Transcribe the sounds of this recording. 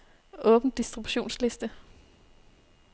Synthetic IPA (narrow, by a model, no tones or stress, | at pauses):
ʔɔ̽ːb̥n̩d̥isd̥ʁib̥ɕo̝̰ːnsle̝sd̥ə